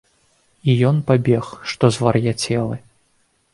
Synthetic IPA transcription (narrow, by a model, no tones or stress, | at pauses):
ijɔnpabʲɛxʂt̪ɔzvɐrjat͡sʲɛlˠɨ